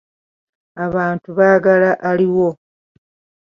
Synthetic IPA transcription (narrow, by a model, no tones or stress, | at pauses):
aβaːntuβaːɡalaʔaliwo̞